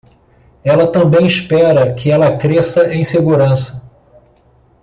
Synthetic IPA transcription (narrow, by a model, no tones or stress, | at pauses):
ɛlɐt̪ɐ̃mbẽj̃iʃpɛɾɐkʰɪɛlɐkɾesɐʔẽj̃seɡuɾɐ̃sɐ̥